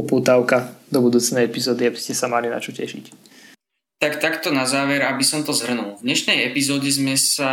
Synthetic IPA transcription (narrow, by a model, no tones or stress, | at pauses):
ɔpuːt̪aʊkad̪ɔbud̪uːt͡snɛjɛpizɔːd̪iabiscɛsamalina̰t͡ʃɔcɛ̰ʃḭc | t̪akt̪akt̪ɔnazaːʋɛɾabisɔmt̪ɔzɦr̩nulvd̪ɲɛʃnɛjɛpizɔːɟɛzmɛsa